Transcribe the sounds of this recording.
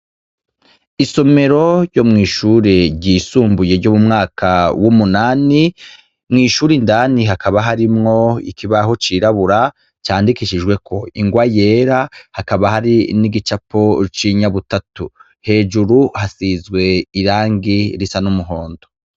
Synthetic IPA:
iso̞me̞ɾo̞jo̞mŋiːʃuːɾeɟiːsuːmbuje̞ɟomumŋaːkʰawumunaːni | mŋiːʃuːɾindaniɦakʰaβaɦaɾimŋo̞ḭkiβahot͡ʃiɾaβuɾa | t͡ʃaːndikiʃiʒɡwe̞kʰo̞iŋɡwajeːɾahakaβaɦaɾiniɡit͡ʃapo̞t͡ʃiɲaβutatu | he̞ːd͡ʒuɾuhasiːzɡwe̞iɾaːŋɡiɾisanumuɦo̞ːndo

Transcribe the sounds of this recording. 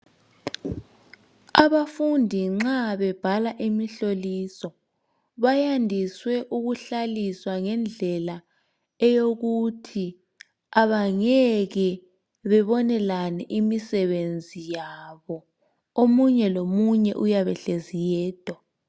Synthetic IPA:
aβafundʱiŋ͡ǁaβɛb̥ʱalaʔimiɬolisɔ | βajandʱiswɛʔuɣuɬaliswaŋɛnd͡ɮʱɛla | ɛjoɣutʰi | aβaŋɛɣɛ | βɛβɔnɛlanɛʔimisɛβend͡zʱijaβɔ | omuɲɛlomuɲɛʔujaβɛɬezijɛːd̥ʱwa

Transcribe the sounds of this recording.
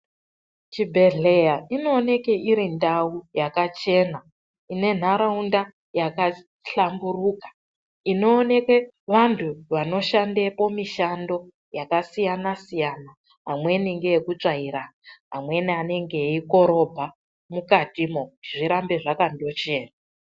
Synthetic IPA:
t͡ʃibʱe̞ɮe̞jaino̞ːne̞keʔiɾindaujakat͡ʃe̞ːna | ine̞n̤aɾaunda | jaka | ɬamburuːkḁ | ino̞ːne̞ke | ʋantʰuʋano̞ʃandepo̞miʃando̞ | jakasijanasijana | ɦamwe̞niŋɡeekut͡ʂaiɾaɦa̰mwe̞niane̞ŋɡe̞iko̞ɾo̞bʱa | mukatimokutiʐiɾambe̞ʐakando̞t͡ʃe̞ːna

